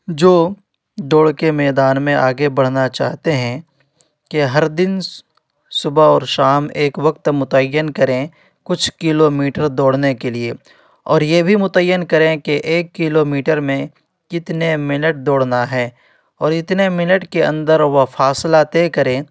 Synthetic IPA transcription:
d͡ʒoː | ɖ̪oːɽkemɛːd̪aːnmẽʔaːɡebɐɽ̤nat͡ʃaːɦt̪eɦɛ̃ | keɦɐɾd̪ɪn | sʊbaɔːɾʃaːmeːkʋɐk̚t̪mʊt̪əjːənkɐɾẽ | kʊt͡ʃʰkɪlomiːʈəɾd̪oːɽnekelie | ɔ̰ːɾjebʱimʊt̪əjːənkɐɾẽkeʔeːkːɪlomiːʈəɾmẽ | kɪt̪nemɪnəʈ̚d̪oːɽnaɦɛː | ɔːɾɪt̪nemɪnəʈkeə̰̃nd̪əɾʋɐfʰaːslat̪eːkɐɾẽː

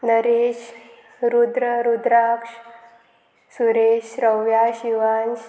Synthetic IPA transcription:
nəɾeɕ | ɾud̪ɾəɾud̪ɾakʂ | suɾeɕɾəwjaɕiʋans

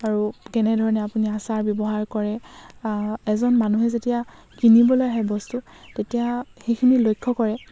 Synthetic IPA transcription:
aɹukɛnɛdʱɔɹɔnɛapuniasaɹbjɔbɔɦaɹkɔɹɛ | ɛzɔnmanuɦɛzetija | kinibɔlojɦɛbɔstu | tetijaxejkʰinilojkʰːɔkɔɹɛ

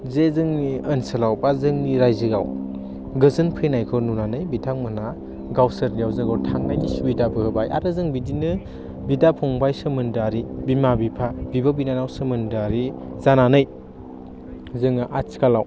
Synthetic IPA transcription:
zezɯŋniənsɐlawbazɯŋniɾajzɯɡa̰w | ɡɯzɯnpʰenajkʰɯnunanɯjbitʰaŋmɯna | ɡawsɐɾnijawzɯŋɡawtʰaŋnajnisubidabɯɯbajʔa̰ɾɯzɯŋbidinɯ | bidapʰɔŋbajsɯmɯndaɾibimabipʰabibabinanawsɯmɯndaɾiz̥ananɯj | zɯŋaʔat͡ʃkalaw

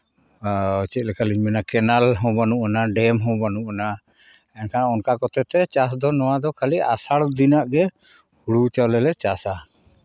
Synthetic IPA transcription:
t͡ʃɛt̪̚lɛkʰaliɲmɛnakɛnalɦɔ̃banuʔanaɖɛmɦɔ̃banuʔana | ɛnkʰaɔnkakɔt̪ɛt̪ɛt͡ʃasd̪ɔnɔwad̪ɔkʰaliʔa̰saɽd̪inaʔɡɛ | huɽut͡ʃawlɛlɛt͡ʃasa

